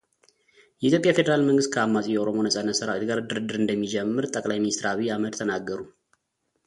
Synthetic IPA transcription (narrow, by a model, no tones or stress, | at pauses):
jɛʔit̪ʰjo̞pʼjafe̞d̪əɾalməŋɡɨst̪kʰəamːasʼijɛoɾo̞mo̞nəsʼanːət̪sɨɾawet̪ɡaɾd̪ɨɾɨd̪ːɨɾɨnd̪əmːid͡ʒɛmːɨɾt̪ʼəkʼlajminist̪ɾaβiaməd̪t̪ʰənaɡːəɾu